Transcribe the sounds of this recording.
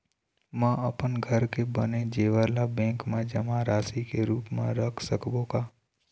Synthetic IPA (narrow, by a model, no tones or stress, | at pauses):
mãəpənɡʱəɾkebənẽd͡ʒeːʋəlabɛ̃ːŋkmãd͡ʒəmãɾaːsikeɾuːpmã̰ɾəkʰsəkbokaː